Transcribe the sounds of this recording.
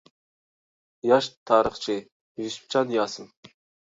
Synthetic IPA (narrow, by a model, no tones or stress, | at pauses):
jɑʃt̪ʰɑːɾəχt͡ʃʰi | visp̚t͡ʃʰɑnjɑːsɨm